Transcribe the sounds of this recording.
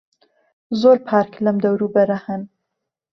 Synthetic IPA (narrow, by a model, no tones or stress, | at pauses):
zoːɾpʰaːɾkʰlɐmd̪ɐwɾuːbɐɾɐhɐn